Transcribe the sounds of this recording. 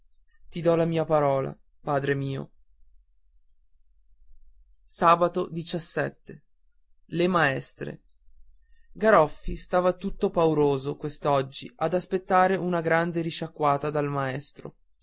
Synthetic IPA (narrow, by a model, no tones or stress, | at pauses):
t̪id̪ɔlamiːapaɾɔːla̰ | paːd̪ɾemiːo̰ | saːbat̪od̪it͡ʃasːɛt̪ːe | lemaɛst̪ɾḛ | ɡaɾɔfːist̪aːvat̪ut̪ːopauɾoːzokwest̪ɔd͡ʒːḭʔad̪aspet̪ːaːɾeʔunaɡɾand̪eɾiʃakːwaːt̪ad̪almaɛst̪ɾo̰